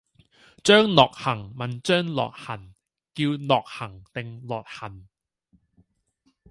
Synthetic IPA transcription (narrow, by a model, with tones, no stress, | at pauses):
t͡ʃœː˥ŋlɔː˨˩k̚hɐ˨˩ŋmɐ˨˩nt͡ʃœː˥ŋlɔ̰ː˨t̚hɐ˨˩n | kiː˧wlɔː˨k̚hɐ˨˩ŋt̪ɪ˨ŋlɔː˨˩t̚hɐ˨˩n